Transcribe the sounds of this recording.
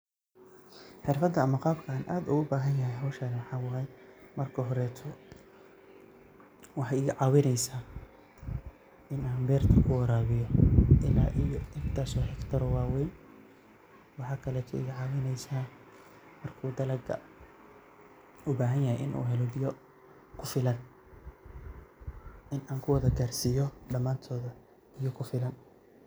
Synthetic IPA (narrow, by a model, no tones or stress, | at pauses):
ħɪrfɐd̪ːɐɐmɐqɑːbkʰɐaːnʔaːd̪ʊɣʊbaːɦɐnjɐɦɛjɦɐwʃaːnwɑħɑːwɑɦɛjmɐrkʰɐɦɔɾɛːt̪ʰɔ | wɑħɑjɪɣɐʕɑːwɪnɛjsaː | ɪnaːmbɛːrt̪ʰɐkʰʊwɐɾaːβɪjɔʔɪla̰ːʔijɛɡt̪ʰaːsɔːħɛkt̪ʰɐɾɔwaːwɛːn | wɑħɑːkʰɐlɛːt̪ʰɔ̰ʔɪ̰ɣɐʕɑːwɪnɛjsaː | mɐrkʰuːd̪ɐlɐɡɐ̰ | ʊbaːɦɐnjɐɦɛjʔɪ̰nʔṵːɦɛlɔbɪjɔ | kʰʊfɪlɐn | ʔɪnʔaːŋkʰʊwɐðɐɡaːrsɪjɔɖɐmːaːnt̪ʰɔːðɐ | ɪjɔkʰʊfɪlɐn